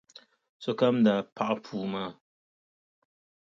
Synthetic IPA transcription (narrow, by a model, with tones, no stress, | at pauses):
sɔ˨ka˦mda˨pa˦ʔa˦pʰuː˨ma˦˨